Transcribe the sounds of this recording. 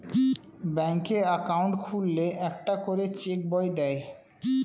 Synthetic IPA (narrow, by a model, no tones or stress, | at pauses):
bɛŋkeakawɳʈkʰulːeʔɛkʈakoɾet͡ɕek̚bɔjd̪ɛe